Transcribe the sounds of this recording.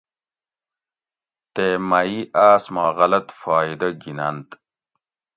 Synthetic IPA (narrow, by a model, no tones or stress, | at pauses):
t̪emɐiʔaːsmaːɣɐlɐt̪faːid̪ɐɡinɐnt̪